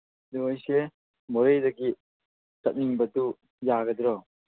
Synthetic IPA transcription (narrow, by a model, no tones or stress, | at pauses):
d̪uojse | moɾejdɐɡi | tɐt̚niŋbɐtu | jaɡɐd̪ɾɔ